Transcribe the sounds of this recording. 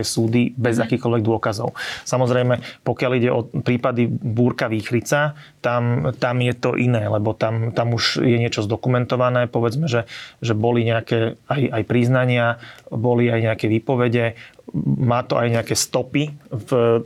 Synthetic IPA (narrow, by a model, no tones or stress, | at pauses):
ɛsuːd̪ibɛzakiːkɔlʋɛɡ̚d̪ʊɔkazɔ̰ʊsamɔzɾɛjmɛpɔkɪaliɟɛʔɔpɾiːpad̪ibuːɾkaʋiːxɾit͡sa | t̪amt̪amjɛt̪ɔʔinɛːlɛbɔt̪amt̪amuʒjɛɲɪɛt͡ʃɔzd̪ɔkumɛnt̪ɔʋanɛːpɔʋɛd͡zmɛʒɛʒɛbɔliɲɛakɛːajajpɾiznaɲɪabɔliajɲɛakɛʋiːpɔʋɛɟɛ | mːaːt̪ɔʔajɲɛakɛːst̪ɔpiv